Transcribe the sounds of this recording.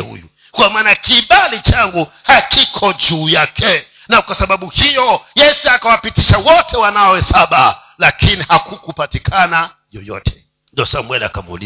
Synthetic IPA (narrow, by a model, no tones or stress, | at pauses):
hṵjṵ | kwamaːnakiɓalit͡ʃaŋɡu | hakʰikʰɔd͡ʒuːjakʰɛnakwasaɓaɓuhijɔjɛsiakawapitiʃawɔtʰɛwanaɔwɛsaɓa | lakinihakukupatikʰana | jɔjɔ̰tʰɛ̥ | ndiɔsamwɛlakamṵlḭ